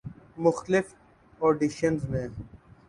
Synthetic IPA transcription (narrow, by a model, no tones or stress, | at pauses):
mʊxt̪lɪf | oːɖiʃənzmẽː